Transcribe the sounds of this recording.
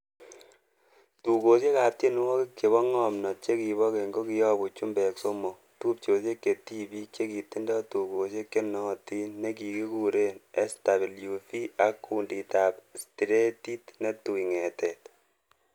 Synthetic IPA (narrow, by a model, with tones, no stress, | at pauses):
tu˨ko˨se˦ka˨p̚ti˦n˦wɔ˦ki˦ke˨βɔ˦ŋɔ˨mnɔ˨t͡ʃe˦ki˨βɔ˦ke˨ŋɡo˦kɪjɔ˦bu˨t͡ʃu˦mbɛ˨kso˦mo˨ | tu˦p̚t͡ʃo˨se˦ke˨ti˦bi˦kt͡ʃe˦ki˨ti˦ndɔ˦tu˨ko˨s̬e˦kːe˦nɔ˦ti˦nːe˦ki˨ki˦ku˦ɾe˦ne˦sta˨βi˨lju˨fi˦a˦kːuː˨ndi˨ta˨psti˨ɾe˦ti˦tne˦tu˨jŋɛ˨tɛ˨t